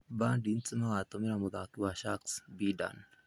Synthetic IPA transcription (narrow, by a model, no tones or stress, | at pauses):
bandint͡sʼɨmaat̪omiɾamud̪akiwaʃaksbida̰n